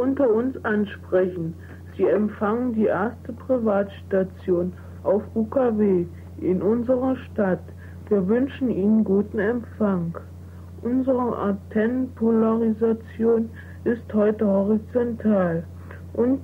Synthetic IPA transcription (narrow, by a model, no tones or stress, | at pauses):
ʔʊntɐʊnsʔanʃpʁ̥ɛçn̩ | z̥iːɛmfaŋəndiːʔeɐstəpʁ̥ivaːtʃtat͡sjoːn | ʔaʊfuːkʰaveː | ʔɪnʔʊnzəʁɐʃtat | v̥iːɐvʏnʃn̩ʔiːnənɡuːtn̩ɛmfaŋ | ʔʊnzəʁəʔa̰tʰɛnpʰolaʁizat͡sjoːn | ɪsthɔʏtəhɔʁit͡sɔntʰaːl | ʔʊnt